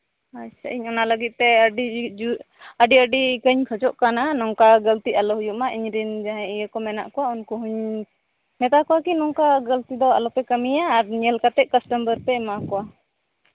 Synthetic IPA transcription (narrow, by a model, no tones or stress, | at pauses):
ajsəʔiɲɔnaləɡit̪̚ˀt̪ɛəɖiu | əɖiəɖikəɲkʰəd͡ʒɔʔkananɔŋkaɡəlt̪ialɔɦujuʔmaʔiɲɾind͡ʒaɦɛ̃ijəkɔmɛna̰ʔkɔwaunkuɦuɲ | mɛt̪akɔwakinɔŋkaɡəlt̪id̪ɔa̰lɔpɛkəmijaːɾɲɛlkat̪ɛʔ̚kəsʈəmbəɾpɛmakɔwa